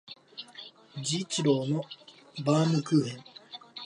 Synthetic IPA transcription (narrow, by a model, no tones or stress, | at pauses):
d͡ʑit͡ɕiɾoːno | baːmɯ̟kɯ̟ːhẽ̞ɴ